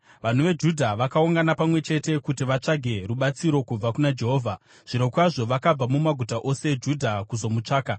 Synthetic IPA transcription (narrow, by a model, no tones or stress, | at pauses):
ʋan̤uʋe̞d͡ʒudʱaʋakauŋɡanapamwe̞t͡ʃe̞te̞kutiʋat͡ʂaɡʱe̞ruɓat͡siɾo̞kub͡vakunad͡ʒe̞ɦo̞ːvʱa | ʐ̥iɾo̞kwaʐo̞ʋakab͡vamumaɡʱutaʔo̞se̞d͡ʒudʱakuzo̞mut͡ʂaːka